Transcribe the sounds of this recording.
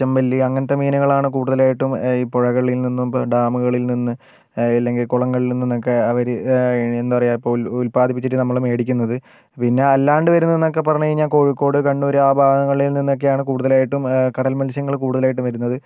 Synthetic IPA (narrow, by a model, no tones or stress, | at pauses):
ɐmbɐlːiɐŋːɐnɐt̪ːɐmiːnuɣɐɭaːɳɨkuːɽuðɐlaːjiʈːumiːpːoɻɐɣɐɭilninːumɖaːmɨɣɐɭilninːɨ | ilːe̞ŋɡilkuɭɐŋːɐɭilninːinːo̞kːe̞ɐʋɐɾuenːupɐrɐjaːipːoːulpaːd̪ipːit͡ɕːiʈːɨnɐmːɐɭume̞ːɽikʲːunːɐðɨ | pinːe̞ɐlːaːɳɖɨʋɐɾunːinːo̞kːe̞pɐrɐɲːuiɲaːnko̞ːɻikːo̞ːɽɨkɐɳɖuɐɾuaːbʱaːɡɐŋːɐɭilninːo̞k̬ːejaːɳɨkuːɽuðɐlaːjiʈːumkɐɽɐlmɐlɕjɐŋːɐɭkuːɽuðɐlaːjiʈːumʋɐɾunːɐðɨ